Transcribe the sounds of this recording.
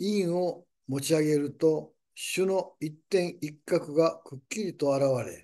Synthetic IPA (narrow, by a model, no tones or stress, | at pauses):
ĩɰo | mo̞t͡ɕiaɡe̞ɾɯ̟t̪o̞ | ɕɨno̞it̪ːẽ̞ɰ̃ikːakɯ̟ɡakɯ̟kʲːiɾʲit̪o̞aɾaβaɾe̞̰